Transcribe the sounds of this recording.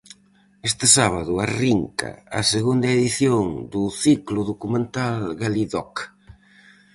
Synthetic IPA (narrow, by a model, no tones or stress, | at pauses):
est̪ɪsaβaðʊariŋkɐ̰ɐ̰seɣund̪ɐeðiθjoŋd̪ʊθiklʊðokumẽnt̪alɣaliðɔk